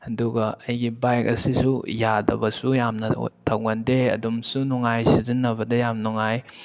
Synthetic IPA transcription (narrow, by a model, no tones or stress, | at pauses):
ɐduɡɐɐjɡibajk̚ɐsisujadɐ̰bɐsujamnɐ̰tʰawɡandeɐ̰dumsunɔŋajsizinːɐbɐdɐjamnɔŋaj